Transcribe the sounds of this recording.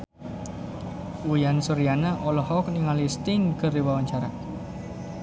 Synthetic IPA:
ujansuɾianaʔɔlɔɦɔk̚niŋalist̪inkərdiwawaɲt͡ʃaɾa

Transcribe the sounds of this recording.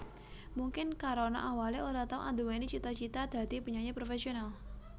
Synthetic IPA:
muŋkɪnkaɾona̰ʔawalioɾat̪aʊ̰ŋand̪uwanit͡ʃit̪at͡ʃit̪ad̪̥a̤t̪ipəɲaɲepɾofesional

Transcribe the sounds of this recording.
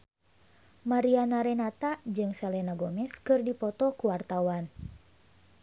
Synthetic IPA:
maɾianaɾɛnat̪ad͡ʒɨŋsɛlɛnaɡɔmɛskɨrdipɔt̪ɔkuwart̪awan

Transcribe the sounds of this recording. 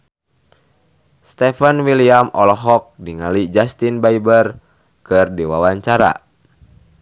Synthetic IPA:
st̪ɛfənwiliamɔlɔɦɔk̚diŋalid͡ʒast̪inbaibər | kɨrdiwawaɲt͡ʃaɾa̰

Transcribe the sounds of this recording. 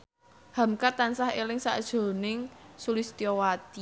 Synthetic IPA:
ha̤mkat̪ansahelɪŋsaʔəd̥ʒ̥o̤nɪŋsulist̪iɔwat̪i

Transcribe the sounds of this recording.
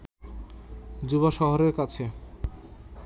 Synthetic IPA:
d͡ʑuβaʃɔɦoɾeɾkat͡ɕʰe

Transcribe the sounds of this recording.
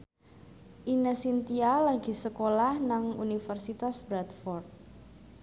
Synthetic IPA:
ʔinəsint̪ialaɡi̤səkolahnaŋṵnifərsit̪asbɾat̪fɔrt̪̚

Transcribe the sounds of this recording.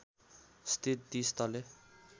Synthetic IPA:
st̪it̪̚d̪ist̪ʌle

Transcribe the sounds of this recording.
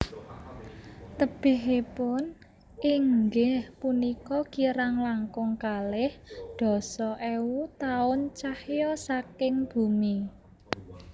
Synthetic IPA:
t̪əb̥ɪ̤ɦepʊn | ʔiŋɡɪhpunikɔkiɾaŋlaŋkʊŋkalɪhd̪̥ɔ̤sɔʔɛwut̪aʊnt͡ʃahjɔsakɪŋb̥ṳmi

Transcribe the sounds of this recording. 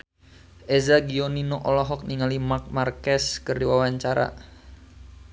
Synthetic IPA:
ʔezaɡiɔninoʔɔlɔɦɔk̚niŋalimak̚markɛskərdiwawaɲt͡ʃaɾa̰

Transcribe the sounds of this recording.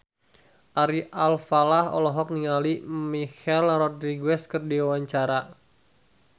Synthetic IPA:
ʔaɾiʔalfalahɔ̰lɔɦɔk̚niŋalimixɛlrɔdɾiɡwɛskɨrdiwawaɲt͡ʃaɾa

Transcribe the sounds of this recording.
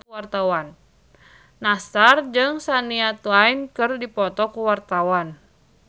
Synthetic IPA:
wart̪awanː | asard͡ʒɨŋsaniat̪uainkɨrdipɔt̪ɔkuwart̪awan

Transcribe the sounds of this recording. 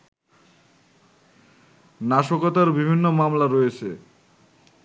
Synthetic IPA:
naʃokot̪aɾbibʱinːomamlaɾoet͡ɕʰe

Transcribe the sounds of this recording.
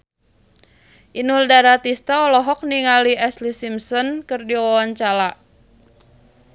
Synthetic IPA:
ʔinuldaɾat̪ist̪aɔlɔɦɔk̚niŋaliɛslisimsɔnkɨrdiɔaɲt͡ʃalaʔ

